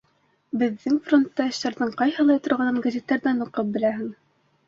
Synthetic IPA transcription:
bɘ̆ðːɘŋfro̞nt̪ːɑɤ̆ɕt̪ɑɾðɤɴqɑjhɤlˠɑjt̪ŏɾʁɑnɤnɡazʲet̪ːæɾðænuqɤp̚bɘ̆læɦɘ̆ŋ

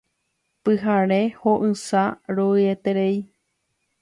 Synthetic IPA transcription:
pɨɦaɾẽhoʔɨ̃saɾoɨet̪eɾei

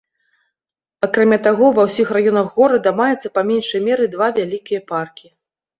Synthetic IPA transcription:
akɾamʲat̪aɣɔvɐwsʲixrajɔnɐɣːɔɾɐd̪ɐmajɛt̪sːɐpamʲɛnʂɐjmʲɛɾɨd̪vavʲalʲikʲijɐparkʲi

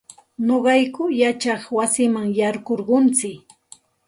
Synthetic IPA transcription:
noɢɑjkʊjat͡ʃɑχwasɪmaŋjɑɾɢoɾɢʊnt͡sɪk

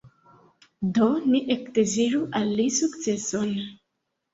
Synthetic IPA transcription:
doniʔekdeziɾuʔalːisukt͡se̞so̞n

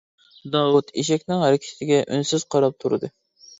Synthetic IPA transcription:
d̪ɑwut̪ʰiʃ̬ɛkʲnɪŋhæɾɪkʲʰɪ̥t̪ʰɪɡʲɛʔy̰nsɪz̥qʰɑɾɑp̚t̪ʰuɾɨ̰d̪ɨ

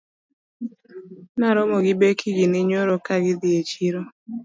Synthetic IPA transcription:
naɾɔmoɡɪbekʰiɡinɪɲoɾokaɡɪd̪ɪet͡ʃiɾo

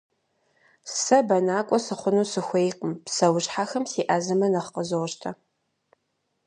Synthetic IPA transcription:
sɐbɐnaːkʷʼɔsɨχʷʊnuːsɨxʷejqʼəmpsɐwʊɕħaxɐmsiːʔaːzɨmɐnɐχqəzoʁʃtʰɐ

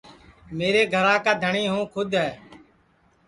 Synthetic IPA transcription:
meːɾeːɡʱəɾãːkaːd̪ʱəɳiːɦũːkʰʊd̪ʱɦɛː

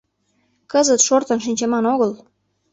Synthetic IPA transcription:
kəzət̪ʃort̪ə̆nʃ̬inʲt͡ɕəmɑnoɣəl

